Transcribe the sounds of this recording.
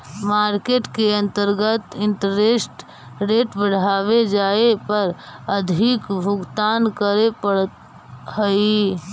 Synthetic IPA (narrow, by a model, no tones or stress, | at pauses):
maɾkeʈkeənt̪əɾɡət̪ɪɳʈəɾesʈ | ɾeʈbəɽ̤aʋed͡ʒaepəɾəd̪ʱikbʱuɡt̪ankəɾepəɽt̪ | həj